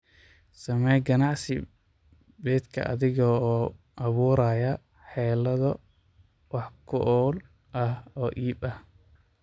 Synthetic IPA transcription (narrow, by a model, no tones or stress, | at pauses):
sɐmɛjɡɐnɑʕsɪ | bɛːd̪kʰɐ̰ʔɐ̰ðɪɣɔː | ʔɐβuːɾaːjɐ | ħɛːlɐðɐ | wɑħkʰʊʔɔːl | ʔɐhɔːʔiːbɐh